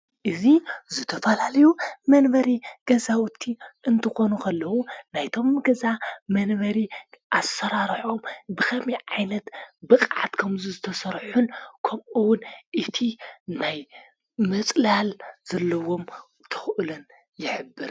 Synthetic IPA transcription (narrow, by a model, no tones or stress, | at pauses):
ʔɨzizɨt̪ʰɐfɐlalɐjumɐnbɐɾiɡ̥ɐzawʊt̪ʰːiʔɨnt̪ʰɨxo̞nukʰɐlːɐwunajt̪ʰo̞mɡɐzamɐnβɐɾiʔasɐɾaɾħombɨkʰɐmiʕajnɐt̪bɨkʼʕa̰t̪kʰɐmzuzɨt̪ʰɐsɐɾħunkʰɐmʔɨwʊnʔɨt̪ʰinaj | mɨt͡sʼlalz̥ɐlːɐwo̞m | t̪ʰɨ̥xʔɨlɐn | jɪħɨbːɨɾ